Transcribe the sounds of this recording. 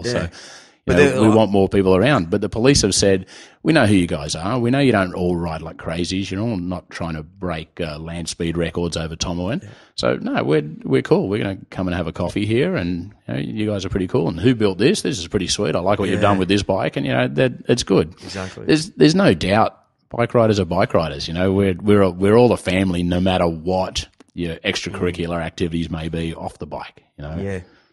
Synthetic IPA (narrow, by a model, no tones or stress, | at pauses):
soʊ | jɨnowiwɑ̃nmɔɹpipl̩ˠə˞ãʊ̃nd̚bʌt̪̚ðəpʰəlishɨv̥sɛd̚wiñoʊɦʉjɨɡaɪzə˞winoʊjɨɾõʊ̃ntɔlˠɹaɪtˡlaɪkʰɹ̥eɪzizjɨnoʊnətʰɹ̥aɪɪ̃ŋtʰɨbɹeɪkʌlæ̃nd̥spid̚ɹɛkə˞dzoʊvə˞tʰɑ̃məɛ̃n | so̰ʊnoʊwɪɹwɪɹkʰulˠwɪɹɡʌ̰nɨkʰʌ̃mə̃nɨvɨkʰɔfiɦiɹɨ̃njɨno̰ʊjɨɡaɪzə˞pʰɹ̥ɪɾikʰulˠə̃nɦʉbɪlˠt̪̚ðɪsðɪsɨz̥pʰɹ̥ɪɾiswḭɾaɪlaɪkwʌt͡ʃɨvdʌ̃nwɨðɪsb̥aɪkɨ̃njɨ̰no̰ʊðɨt̚ɨtsɡ̥ʊd̚zk̚ḭðə˞zðə˞znoʊdaʊt̚ | b̥a̰ɪkɹaɪɾə˞zə˞baɪkɹaɪɾə˞z̥jɨnoʊwɪɹwɪɹwɪɹɔlˠðəfæ̃mlinoʊmæɾə˞wʌt͡ʃjə˞ʔɛkstɹ̥ɨkʰə˞ɪkʰjl̩ˠə˞æk̚tʰɪvɨɾizmeɪbiɔ̰fðəba̰ɪkjɨnoʊ